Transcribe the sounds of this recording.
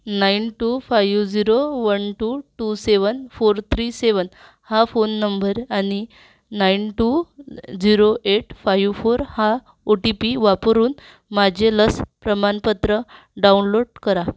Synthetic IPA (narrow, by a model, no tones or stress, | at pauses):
nainʈufajʋd͡ziɾoʋənʈuʈuseʋənfoɾt̪ʰɾiseʋən | hafonːəmbəɾani | nainʈud͡ziɾoʔeʈfajʋfoɾha | oʈipiʋapɾuːn | mad͡ʑʱeləspɾəmanpət̪ɾə | ɖaunloɽkəɾa